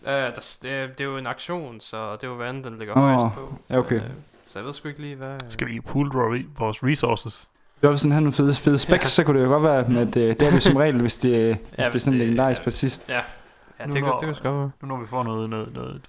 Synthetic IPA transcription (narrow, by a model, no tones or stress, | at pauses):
d̥æsd̥d̥e̝joe̝nɑ̈ɡ̥ɕo̝̰ːnsɒd̥e̝joʋænd̥enleɡ̥ɐɒjæokʰḛː | sɒjʋeð̰ˠsɡ̥ueɡ̥liːʋæsɡ̥æʋipʰuːlʋʋɒːsʁisoːsəs | eɒfʋesmænhæno̝ːnfe̝ðˠəfeð̞ˠəsb̥eɡ̥sɒ̽kʰud̥ɾejoɡ̥ɒ̽d̥ʋæːɐmed̥d̥e̝æɐjosɒmʁɛ̰ːl̩ʋe̝sd̥e̝esd̥e̝æɐsɒ̽n̩le̝ɡ̥end̥ɑ̰ːʁisɡ̥pʰɒd̥sisd̥ | jæd̥e̥sɡ̥ɒ̥ʋæːɐnunɔʋifɒ̰nɔːð̩ˠnɔðˠnɔ̰ːð̩̥ˠ